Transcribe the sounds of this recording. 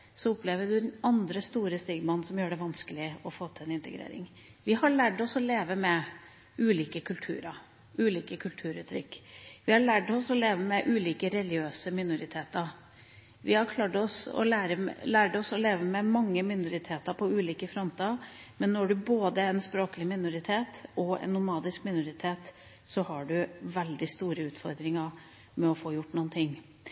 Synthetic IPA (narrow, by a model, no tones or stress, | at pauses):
sɔʊpʰleːʋəɖ̪ʉnɑnd̪ɾəst̪uːɾəst̪iːɡmɑnːsɔmjøːɖɛʋɑnskəlɪɔfoːt̪ʰɪlɛnɪnt̪ʰəɡɾḛːɾɪ̰ŋ | ʋɪhɑɭæːɖɔsɔleːʋəmɛ | ʉːliːkəkʰʉlt̪ʰʉ̰ːɾəɾ | ʉːliːkəkʰʉlt̪ʰʉːɾʉ̰ːt̪ʰɾʏkːʋɪhɑɭæɖɔsɔleːʋəmɛʔʉːliːkəɾɛlɪøːsəmɪnʊɾɪt̪ʰeːt̪əɾ | ʋɪhɑɾkʰlɑːʈɔsɔ̰læːɾəlæːɖɔsɔleːʋəmɛmɑŋːəmɪnʊɾɪt̪ʰeːt̪əɾpʰɔʉːliːkəfɾɔmt̪ʰiɑɾmɛnːɔɖʉboːd̪əɛnspɾoːkəlɪmɪnʊɾɪt̪ʰeːt̪ɔɛ̰nːʊmɑːd̪ɪskmɪnʊɾɪt̪ʰeːt̪ | sɔhɑɖʉʋɛld̪ɪst̪uːɾəʉːt̪fɔɾd̪ɾɪŋəɾ | mɛɔfoːjʊʈːnuːnt̪ʰɪŋː